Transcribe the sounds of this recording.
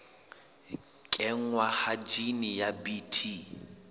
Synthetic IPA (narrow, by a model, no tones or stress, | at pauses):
kʼɛŋ̩wahad͡ʒinijabitʰi